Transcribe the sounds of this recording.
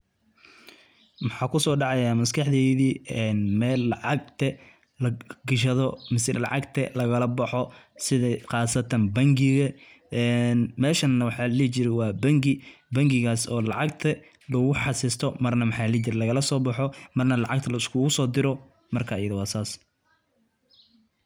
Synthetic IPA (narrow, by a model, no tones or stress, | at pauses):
mɑħɑːkʰʊsɔːɖɑʕɑjaːmɐskʰɑħðɛːðiːɛnmɛːlːɑʕɑɡ̚t̪ʰɐ | lɐɡɐʃɐðɔmɪsɛlɑ̰ʕɑɡt̪ʰɐlɐɣɐlɐbɑħɔsɪðɐqɑːsɐt̪ʰɐnbɐŋɡɪɣɐ | ɛnmɛːʃɐnːɐwɑħɑlɛːt͡ʃɪɾɛwɑːbɐŋɡɪbɐŋɡɪɣaːsɔːlɑʕɑɡt̪ʰɐ | lɐɣʊħɑsɪst̪ʰɔmɐrnɐmɑħɑːlɛːt͡ʃɪɾɛlɐɣɐlɐsɔːbɑħɔmɐrnɐlɑʕɑɡ̚t̪ʰɐlɐʊskʰʊɣʊsɔːd̪ɪɾɔ | mɐrkʰaːjɐðɐwɑːsaːs